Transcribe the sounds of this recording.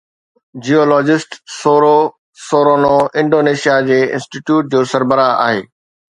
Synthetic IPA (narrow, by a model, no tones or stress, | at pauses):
d͡ʑioːlɔːd͡ʑɪsʈsoːɾo | soːɾonoɪ̃ɳɖoːneːʃijad͡ʑeːɪ̰̃nsʈiʈjuːʈ̚d͡ʑoːsɐɾbəɾaa̰ːɦḛː